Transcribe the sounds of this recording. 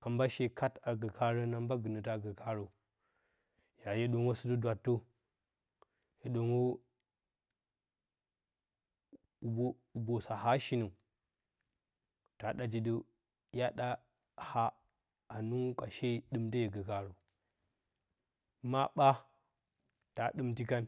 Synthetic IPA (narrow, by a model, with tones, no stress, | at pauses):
a˨mba˦ʃe˦kʰa˦ta˨ɡə˨ka˦ɾə˦na˦mba˦ɡɨ˨nə˨ta˦˨ɡə˨kʰa˦ɾə˨ | ja˨je˦ɗo˦ŋo˦sə˦du˦dwa˨tːo˦ | je˨ɗo˨ŋo˦˨ | bo˦˨ | bo˨sa˨ha˦ʃi˦nə˨ | ta˨ɗa˨d͡ʒi˨də˦ | ja˦ɗa˦ | ha˦ | a˨nu˦ŋ˦ka̰˨ʃe˦ɗɨ˦mdə˦je˨ɡə˨ka˦ɾo˨ | ma˦ɓa˦ | ta˨ɗɨ˦mti˦ka˦n